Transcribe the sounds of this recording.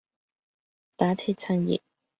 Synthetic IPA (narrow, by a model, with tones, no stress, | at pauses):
t̪aː˨˥t̪ʰi˥t̚t͡sʰɐ˥njḭ˨